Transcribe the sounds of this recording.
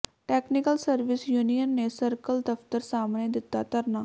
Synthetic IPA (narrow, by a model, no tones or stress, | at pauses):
ʈɛːknɪkəlsəɾʋɪsjuːnijənːeːsəɾkəld̪əft̪əɾsaːmneːd̪ɪt̪ːaːt̪əɾnaː